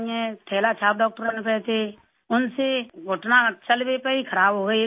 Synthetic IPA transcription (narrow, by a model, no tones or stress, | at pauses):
ɛ̃ʈʰɛːlat͡ʃʰaːp̚ɖɔːk̚ʈəɾənpɛt̪ʰe | ʊnseɡʱʊʈnat͡ʃəlbepəikʰəɾaːbɦoːɡə